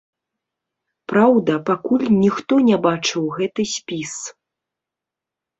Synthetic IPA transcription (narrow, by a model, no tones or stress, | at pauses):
pɾawd̪ɐpakulʲnʲixt̪ɔnʲɛbat͡ʂɨwɣɛt̪ɨsʲpʲis